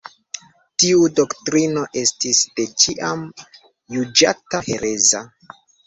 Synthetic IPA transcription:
tiudo̞ktɾino̞ʔe̞stisd̥e̞t͡ʃiʔam | jud͡ʒatahe̞ɾe̞za

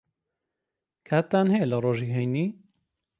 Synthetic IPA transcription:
kʰaːt̪ːaːnhɛjeləroːʒiːɦɛjniː

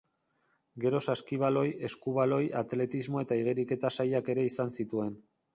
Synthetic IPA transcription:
ɡe̞ɾo̞saskiβ̞alo̞je̞skuβ̞alo̞jat̪le̞t̪izmo̞e̞t̪aiɣ̞eɾike̞t̪asajake̞ɾe̞isansit̪ue̞n

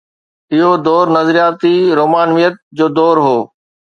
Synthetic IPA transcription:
ɪɦod̪ɔːɾnɐzɾijaːt̪iɾoːmaːnʋijət̪̚d͡ʑoːd̪ɔːɾɦoː

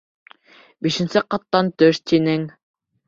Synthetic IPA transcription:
biʃɘ̆nsɘqɑt̪ːɑnt̪ɵʃt̪inɘŋ

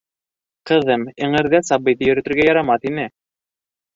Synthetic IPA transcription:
qɤ̆ðɤmɘ̆ɴɘ̆ɾðæsɑbɤ̆jðɤjɵ̆ɾɘ̆t̪ɵ̆ɾɡæjɑɾɑmɑθinɘ

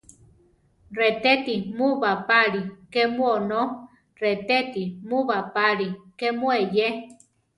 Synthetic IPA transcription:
ret̪et̪imuβapaɾikemuono | ret̪et̪imuβapaɾikemueje

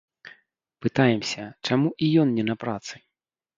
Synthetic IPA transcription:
pɨt̪ajɛmsʲɐt͡ʂamuʔijɔnːʲɛnɐpɾat̪sɨ

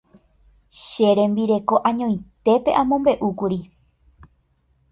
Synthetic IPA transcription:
ʃeɾẽ̞mbiɾe̞ko̞ʔãɲõ̞j̃t̪e̞pe̞̰ʔãmõ̞mbe̞ʔukuɾi

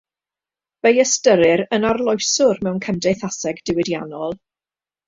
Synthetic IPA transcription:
vejəstəɾɨɾənarlˠɔjsʊrmɛwnkʰɛmdejθasɛɡdɪwɪdjanɔlˠ

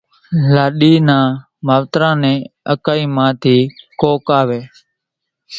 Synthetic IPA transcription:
laːɗiːnãː | maːʋt̪ɾãːnɛ̃ːə̰kaːiːmãːt̪ʰiːkoːkaːʋeː

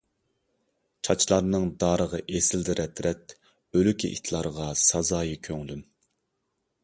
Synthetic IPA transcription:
t͡ʃʰɑt͡ʃʰlˠɑɾnɨŋd̪ɑːɾəʁɑʔesɪld̪ɪɾʔɛt̪ʰɾɛt̪ | ølykʲʰiʔḭt̪ʰlˠɑɾəʁɑsɑzɑːjikʲʰøŋlym

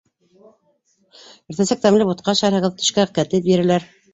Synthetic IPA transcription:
ɘ̆ɾθæsæk̚t̪æmlɘput̪qɑʃæɾhɤ̆ʁɤ̆ðt̪ɵ̆ʃkækæt̪ɘp̚bĭɾɘ̆læɾ

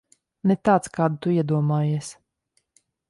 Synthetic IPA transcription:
nɛt̪aːt̪skaːd̪ut̪uiɛd̪uɔmaːjiɛs

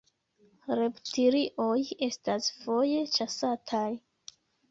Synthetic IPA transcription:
ɾe̞ptʰiɾiʔo̞je̞stasfo̞je̞t͡ʃasatʰaj

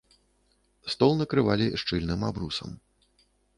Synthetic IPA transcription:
st̪ɔlˠnɐkɾɨvalʲiʂt͡ʂɨlʲnɨmabɾusɐ̰m

